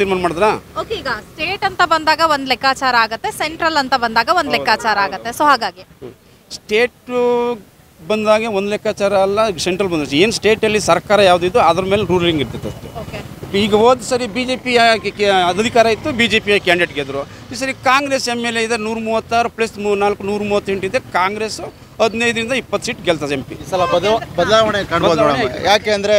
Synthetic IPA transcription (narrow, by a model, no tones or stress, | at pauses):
t̪iːɾmaːnɐmaːɽd̪ɾaːoːkeiːɡɐsʈeːʈɐnt̪ɐbɐnd̪aːɡɐʋond̪lɛkʰːaːt͡ʃaːɾɐːɡɐt̪ːe̞seɳʈɾɐlɐnt̪ɐbɐnd̪aːɡɐʋond̪lɛkʰːaːt͡ʃaːɾɐaːɡɐt̪ːesoːɦaːɡaːɡi | sʈeːʈ | bɐnd̪aːɡeʋond̪ulɛkʰːaːt͡ʃaːɾɐːlːɐseɳʈɾɐlbɐnd̪ɐeːnsʈe̞ːʈɐlːisɐɾkaːɾɐjaːʋud̪uid̪uɐd̪ɐɾɐmeːleɾuːlliŋɡiɾt̪it̪ːeɐst̪eoːke | iːɡɐoːd̪sɐɾibiːd͡ʒeːpi | ɐd̪ɐd̪ʱikaːɾɐit̪ːubiːd͡ʒeːpijɐkaːɳɖiʈɡeːd̪ɾu | is̬ɐɾikaːŋɡɾesemːeːleid̪ɐnuːɾmuːʋɐt̪ːaːɾuplɐsmnaːlkːunuːɾmuːʋɐt̪ːɦeɳʈid̪ekaːŋɡɾeːs | ɐd̪nɐjd̪ɐɾind̪ɐipːɐt̪ːsiːʈɡɛlt̪ʰɐempḭsɐlɐbɐbɐd̪laːʋɐɳekaɳboːd̪ɽɐ̰jaːkeɐnd̪ɐɾe